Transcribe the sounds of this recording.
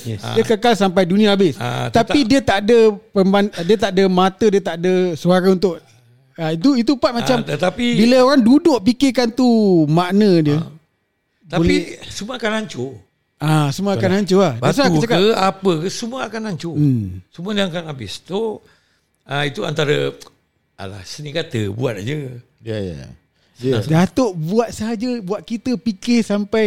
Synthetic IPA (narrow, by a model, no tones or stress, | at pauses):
iəkəkalsampajdunĩaːbɪst̪ap̪idiət̪aʔdəpəmbandiət̪aʔdəmat̪ədiət̪aʔdəsuakaunt̪ʊʔ | ait̪uit̪̬upat̪̚mat͡ʃamət̪apibiləoɾaŋdudʊʔpikɪkant̪umaʔnədiə | t̪aolisumũəakanaɲt͡ʃo | asumuaːkanaɲt͡ʃoahdasakət͡ʃakaəapəkəsumuəakanaɲt͡ʃosumuədãŋkanabɪst̪o | ait̪ua̰nt̪aɾə | a̰la̰hsənĩkat̪əbuat̪̚d͡ʒə | j̰ | dat̪oʔbuat̪̚səɦad͡ʒəbuat̪̚kit̪əpikɪhsampaj